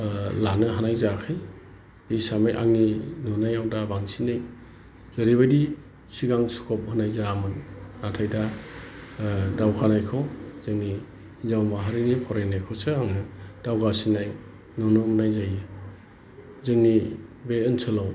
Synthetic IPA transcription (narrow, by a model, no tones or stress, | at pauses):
lanɯɦanajzakʰɯj | b̥isamajʔa̰ŋninɔnajawdabaŋsinɯj | z̥ɯɾiβadi | siɡaŋsu̥kʰɔp̚hɯnajzamɯnnatʰajda | dawkʰanajkʰɔzɯŋni | zawmaɦaɾinipʰɔɾenːajkʰɔsɯaŋnɯd̥awɡasinaj | nɔnuhnajzajɯ | zɯŋnibeɯnsʰɯlaw